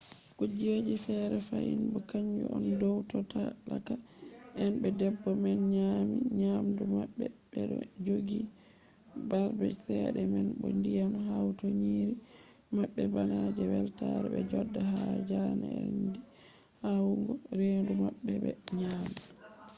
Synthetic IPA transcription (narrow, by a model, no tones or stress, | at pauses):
kud͡ʒied͡ʒifɛɾɛfaʔinbɔkaɲd͡ʒɔ̰ʔɔndɔwtɔtalaka | ʔɛnbɛdɛbːɔmɛnɲamiɲamdumaɓːɛɓɛɗɔd͡ʒoɡi | baɾbɛsɛɗɛmɛnbɔndijamhawtɔɲiɾi | maɓːɛbanad͡ʒɛwɛltaɾɛbɛd͡ʒɔdːahad͡ʒanaɛndi | hawŋɡɔɾendumaɓːɛbɛɲami